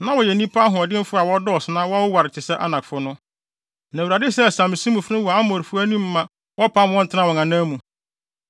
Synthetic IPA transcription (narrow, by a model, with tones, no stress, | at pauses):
nã˦wɔ˨jɛ˨nĩ˦pʰa˦ɦʊ̃˨ɔ˨dɪ̃˦m˦fʊ˦a˨wɔ˦dɔ˦ɔ˨sɪ˨nã˦wɔ˦a˦wʊ˦wa˨ɾɪ˨t͡ɕʰɪ˨sɛ˦ʔa˦nã˨kfʊ˦nʊ̃˦ | nã˨u˨ɾa˨dɪ˦sɛ˦˨sã˨m˨sĩ˦mũ˨fɾɪ̃˦wɔ˨a˦mɔ˨ɾfʊ˦æ˦nĩ˦mː˦ã˨ | wɔ˦pʰa˦m˦ɔ̃˦n̩tʰɪ˦nã˦wɔ˨ŋã˨nãː˦mũ˨